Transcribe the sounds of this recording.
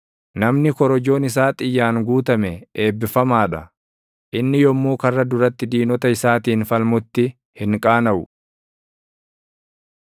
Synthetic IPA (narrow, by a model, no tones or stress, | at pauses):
nɐmnɪkɔɾɔd͡ʒo̞ːnɪs̬aːt̪ʼɪjːaːŋɡuːt̪ɐmɛe̞ːbːɪfɐmaːᶑɐ | ʔɪnːɪjɔmːuːkɐrːɐd̪ʊɾɐt̪ːɪd̪iːnɔt̪ɐɪsaːt̪iːnfɐlmʊt̪ːɪ | hɪŋkʼaːnɐʔʊ